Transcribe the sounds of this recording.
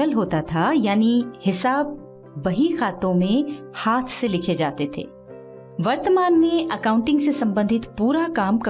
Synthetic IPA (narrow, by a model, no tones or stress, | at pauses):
əlɦoːt̪at̪ʰajaːnihɪsaːb̚ː | ɐɦixaːt̪õmẽ | haːt̪ʰselɪkʰed͡ʒaːt̪et̪ʰḛː | ʋɐɾt̪əmaːnmẽʔɐkãːʊ̃ɳʈɪ̃ŋɡsesɐ̃mbə̃nd̪ʱɪt̪puːɾakaːmkɐ